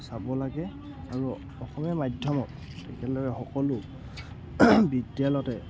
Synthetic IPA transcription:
sabɔlaɡɛ | a̰ɹu | ɔxɔmɔmadʱjɔmɔtː | ɛkɛlɔɹɛxɔkɔlʊ | bidjalɔtɛ

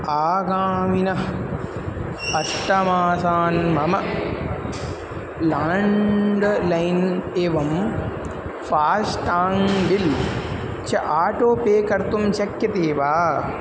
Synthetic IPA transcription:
aːɡaːminɐ | ɐʈːɐmaːsaːnmɐmɐ | laːɳɖlɐjneːʋɐm | faːsʈaːŋbil | t͡ʃʰɐʔaːʈoːpeːkɐɾt̪umt͡ʃɐkjɐt̪eːʋaː

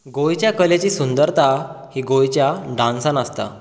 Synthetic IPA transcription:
ɡojt͡ɕjakəlet͡ɕiːsund̪əɾt̪ahiɡojt͡ɕjaɖãnsãnəst̪a̰

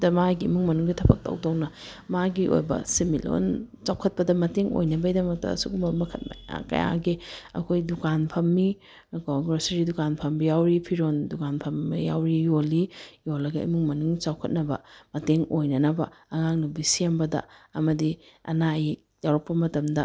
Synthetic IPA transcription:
dɐmaɡiimuŋmɐnuŋɡitʰɐbʰɐ̰k̚tɐ̰wdɐwnɐ | maɡiʔo̰jbɐ̰similo̰nt͡ʃawkʰɐt̚pɐdɐmɐteŋo̰jnɐbɐidɐmɐk̚tɐ̰ːsukumɐbɐmɐkʰɐt̚ma̰ja̰kɐ̰ja̰ɡeɐ̰kʰojdukanpʰɐmːi | koɡɾosɐɾidukanpʰɐmbijawɾipʰiɾondukanpʰɐmijawɾijolːijolːɐɡɐʔḭmuŋmɐnuŋt͡ʃawkʰɐt̚nɐbɐmɐteŋojnɐnɐbɐɐŋaŋnubisembɐdɐ̰ɐmɐdiɐ̰naj | jawɾɐpːɐmɐtɐmdɐ

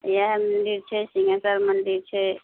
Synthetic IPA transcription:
jaɦmənd̪iɾt͡ʃʰɛsiŋasaɾmənd̪iɾt͡ʃʰɛ

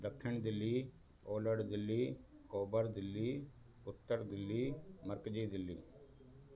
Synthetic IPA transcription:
d̪ɐkʰʃɪɳd̪ɪlːiː | oːləɽd̪ɪlːiːkoːbəɾd̪ɪlːiː | ʊt̪ːəɾd̪ɪlːiːməɾkd͡ʒiːd̪ɪlːḭː

